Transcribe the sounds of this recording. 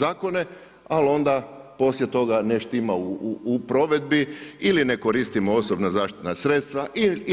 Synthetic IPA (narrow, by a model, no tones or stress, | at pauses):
aːko̞ne̞ | alo̞nd̪apo̞slje̞t̪o̞ɡaneʃt̪imauːpɾo̞ʋe̞d̪biiline̞ko̞ɾist̪imooso̞bnazaːʃt̪i̥t̪nasɾe̞t̪st̪ʋaʔi